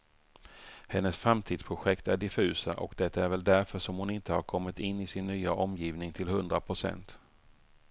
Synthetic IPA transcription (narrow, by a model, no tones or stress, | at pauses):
hɛnːəsfɾamt̪ʰiːd̪spʰɾʊɧɛkt̪æɖɪfʉ̟ːsaʔɔkd̪ɛt̪ːaæɾvɛld̪æɾfœʂɔmhʊnɪnt̪əhaɾkʰɔmːɪt̪ɪnːɪsɪnːyːaʔɔmjiːvnɪŋt̪ʰɪlhɵnd̪ɾapʰɾʊsɛ̰nt̪